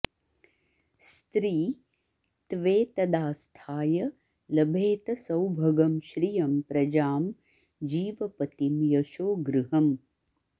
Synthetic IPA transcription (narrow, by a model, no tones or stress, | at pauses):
st̪ɾiː | t̪ʋeːt̪ɐd̪aːst̪ʰaːjɐ | lɐbʱeːt̪ɐsɐwbʱɐɡɐmʃɾijɐmpɾɐd͡ʒaːm | d͡ʒiːʋɐpɐt̪imjɐʃoːɡɾɨɦɐm